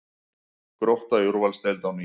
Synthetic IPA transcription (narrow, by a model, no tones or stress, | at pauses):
kɾowht̪ajuɾvalst̪ejlt̪awn